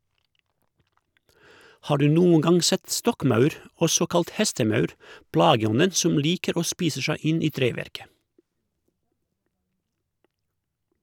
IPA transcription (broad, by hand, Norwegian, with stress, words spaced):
ˈhɑː ˈɖʉː ˈnuːəŋ ˈɡɑŋ ˈsɛt ˈstɔkˌmɑʉɾ ˈɔsɔ ˈkɑlt ˈhɛstəˌmɑʉɾ ˈplɑːɡəˌɔnən ˈsɔm ˈliːkəɾ ˈoː ˈspiːsə ˈʃæɪ ˈɪn ˈiː ˈtɾeːˌʋæɾkə